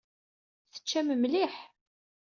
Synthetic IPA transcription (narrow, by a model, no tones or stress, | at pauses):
θə̥t͡ʃːæməmliħ